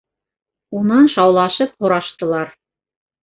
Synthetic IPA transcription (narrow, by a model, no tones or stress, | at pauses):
unɑnʃɑwlˠɑʃɤp̚hŏɾɑʃt̪ɤ̆lˠɑɾ